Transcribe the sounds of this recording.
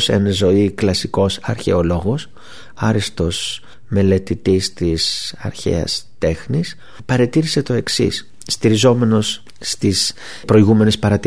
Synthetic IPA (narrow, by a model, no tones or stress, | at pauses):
sḛnɐzo̞iklɐsiko̞sɐ̰ɾçe̞olo̞ɣo̞s | ɐɾist̪o̞s | me̞le̞t̪it̪ist̪isɐ̰ɾçe̞̰ɐ̰st̪e̞xnis | pɐɾet̪iɾise̞t̪o̞e̞ksḭsː | t̪iɾizo̞me̞no̞sː | t̪is | pɾo̞iɣume̞ne̞spɐɾɐt̪